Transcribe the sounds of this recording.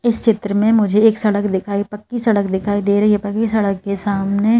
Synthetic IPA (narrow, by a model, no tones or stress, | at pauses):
ɪst͡ʃɪt̪ɾəmẽmʊd͡ʒʱeeːksɐɽəkd̪ɪkʰaːipɐkːisɐɽəkd̪ɪkʰaːid̪eːɾɐɦiɦepɐkːisɐɽəkːesaːmne